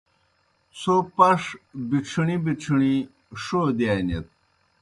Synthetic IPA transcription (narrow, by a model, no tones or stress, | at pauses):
sopɐʂbiʈ͡ʂʰiɳibiʈ͡ʂʰiɳi | ʂod̪iaːnet̪̚